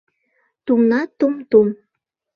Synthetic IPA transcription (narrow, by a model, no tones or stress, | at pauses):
t̪umnɑt̪umt̪um